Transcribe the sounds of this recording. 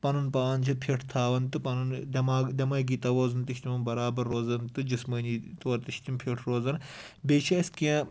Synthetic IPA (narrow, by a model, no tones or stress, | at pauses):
pɐnɨnpaːnt͡ʃʰɐpʰeʈʰt̪ʰaːʋɐnt̪ɨpɐnɨnd̪ʲɐmaːd̪ʲɐmɐːɡiːt̪ɐʋoːzɨnt̪ɨʃt̪imɐmbɐɾaːbɐɾːoːzɐnt̪ɨd͡ʒɨsmɐːniːt̪oɐɾt̪ɨʃt̪ʲimpʰeʈʰɾoːzɐn | bet͡ʃʰɐɐskiẽ